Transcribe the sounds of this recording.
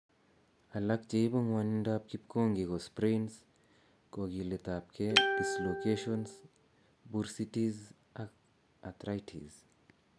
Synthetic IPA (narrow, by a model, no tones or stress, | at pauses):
ɐlɐkt͡ʃejbɐŋwanindap̚kip̚koŋɡiɡospɾens | koɡilet̪apkʰedislokeʃons | buɾsiʈiz | ak | at̪ɾajʈʰḭz